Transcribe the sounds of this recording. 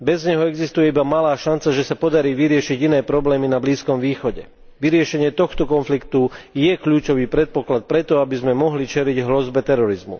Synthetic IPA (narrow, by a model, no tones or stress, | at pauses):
bɛzɲɛɦɔɛɡzist̪ujɛibamalaːʃant͡saʒɛsapɔd̪aɾiːʋiɾɪɛʃiɟinɛːpɾɔblɛːminabliːskɔmʋiːxɔɟɛ | ʋiɾɪɛʃɛɲɪɛt̪ɔxt̪ɔkɔnflikt̪ujɛkʎuːt͡ʃɔʋiːpɾɛt̪̚pɔklat̪̚pɾɛt̪ɔabizmɛmɔɦlit͡ʃɛɾiɟɦlɔzbɛt̪ɛɾɔɾizmṵ